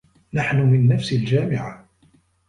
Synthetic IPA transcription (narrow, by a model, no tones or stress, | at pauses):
naħnʊmɪnːafsɪld͡ʒaːmɪʕa